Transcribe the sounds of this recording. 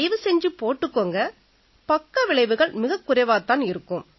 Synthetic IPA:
ɪʋɯsɛɲd͡ʒɯpoːʈːɯkːoːŋɡɐ | pɐkːɐʋɪɭɐɪʋɯɣɐɭmɪɣɐkːʊɾɐʋaːt̪ːaːnɪɾɯkːɯm

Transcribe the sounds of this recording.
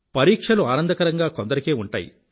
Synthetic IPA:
pɐɾiːkʂɐluaːnɐnd̪ɐkɐɾɐŋɡaːkond̪ɐɾikeːuɳʈa̰ːjḭ

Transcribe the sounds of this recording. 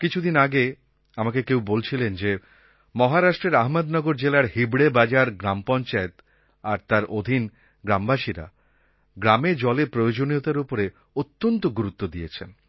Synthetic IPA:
kit͡ɕʰud̪inaɡe | amakekewbolt͡ɕʰilend͡ʑe | mɔɦaɾaʃʈɾeɾaɦmad̪nɔɡoɾd͡ʑelaɾhibɽebad͡ʑaɾɡɾampɔnt͡ɕaet̪ | aɾt̪aɾod̪ʱin | ɡɾambaʃiɾa̰ | ɡɾamed͡ʑɔlepɾojod͡ʑoniot̪aɾupoɾe | ot̪ːont̪oɡuɾut̪ːod̪ijet͡ɕʰen

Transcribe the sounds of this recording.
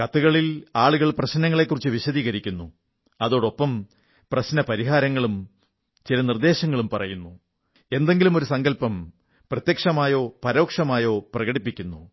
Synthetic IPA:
kɐt̪ːuɣɐɭilaːɭuɣɐɭprɐɕnɐŋːɐɭe̞kːurit͡ɕːɨʋiɕɐðiːɣɐɾikʲːunːu | ɐðo̞ːɽo̞pːɐm | prɐɕnɐpɐɾiɦaːɾɐŋːɐɭum | t͡ɕilɐnird̪e̞ːɕɐŋːɐɭumpɐrɐ̰junːu | e̞nd̪e̞ŋɡilumo̞ɾusɐŋɡɐlpɐm | prɐt̪jɐkʂɐmaːjo̞ːpɐɾo̞ːkʂɐmaːjo̞ːprɐɣɐɽipːikʲːunːu

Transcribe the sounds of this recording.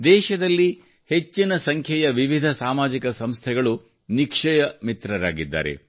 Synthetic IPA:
d̪ɛːʃɐd̪ɐlːi | he̞t͡ʃːinɐsɐŋkʰjɐjɐʋiʋid̪ʱɐsaːmaːd͡ʒikɐsɐmst̪ʰɛɡɐɭu | nikʂɐjɐmit̪ɾɐɾa̰ːɡid̪ːa̰ːɾe̞̰

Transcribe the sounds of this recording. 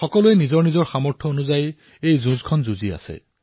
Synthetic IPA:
xɔkɔluɛnizɔɹnizɔɹxamɔɹtʰɔonuzaj | ejzũzkʰɔnzuzia̰sɛ̰

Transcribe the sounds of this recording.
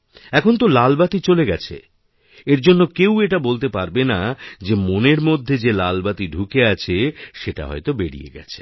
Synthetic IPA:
ɛkʰont̪̬olalbat̪it͡ɕoleɡɛt͡ɕʰḛ | eɾd͡ʑonːokeweʈabolt̪epaɾbenad͡ʑemoneɾmod̪ʱːed͡ʑelalbat̪iɖʱukeat͡ɕʰeʃeʈa̰ɦɔ̰jt̪obeɽḭjḛɡɛ̰t͡ɕʰe̥

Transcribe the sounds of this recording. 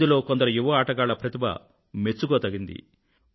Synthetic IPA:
d̪ilo̞ːkond̪ɐɾɐjuʋɐaːʈɐɡaːɭɐpɾɐt̪ibɐ̰ | me̞t͡ʃːuɡoːt̪ɐɡind̪ḭ

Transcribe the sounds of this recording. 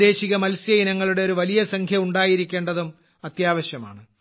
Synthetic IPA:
e̞ːɕiɣɐmɐlsjɐjinɐŋːɐɭuɽe̞oɾuʋɐlijɐsɐŋkʰjɐuɳɖaːjiɾikʲːe̞ːɳɖɐðum | ɐt̪jaːʋɐɕjɐma̰ːɳɨ

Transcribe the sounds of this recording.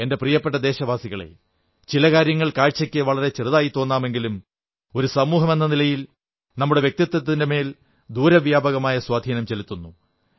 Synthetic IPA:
ende̞prijɐpːe̞ʈ̬ːɐd̪e̞ːɕɐʋaːsiɣɐɭe̞̰ | t͡ɕilɐkaːɾjɐŋːɐɭkaːɻt͡ɕːɐkʲːɨʋɐɭɐɾe̞t͡ɕrɨðaːjit̪ːo̞ːnːaːme̞ŋɡilum | o̞ɾusɐmuːɦɐme̞nːɐnilɐjil | nɐmːuɽe̞ʋjk̚t̪it̪ːɐt̪ːɐðindeme̞ːl | d̪uːɾɐʋjaːbɐɣɐmaːjɐswaːd̪ʱiːnɐmt͡ɕe̞lit̪ːunːu

